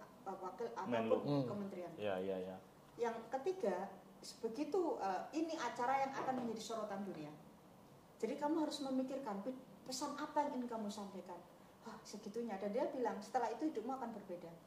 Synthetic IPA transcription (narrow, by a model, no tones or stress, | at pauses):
pawakɪlatmawpʊnkəmənt̪ɾianja̰ja̰ja | jaŋkət̪iɡa | səb̥əɡit̪uəiniʔat͡ʃaɾajaŋa̰kanməɲd͡ʒadisoɾot̪andunia | d͡ʒadikamuɦaɾʊsməmikɪrkanpi | pəsanapajaŋinikamusampajkan | ahsəɡ̥it̪uɲadandiabilaŋsə̥t̪əlahit̪uhidʊp̚maakanbərbeda